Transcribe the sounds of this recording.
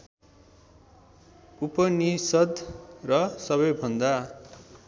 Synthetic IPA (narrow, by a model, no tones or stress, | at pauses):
upʌnisʌd̪rʌsʌβʌjbʱʌnd̪a